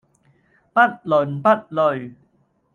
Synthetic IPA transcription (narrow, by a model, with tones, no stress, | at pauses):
pɐ˥t̚lɵ˨˩npɐ˥t̚lɵ˨˩ɥ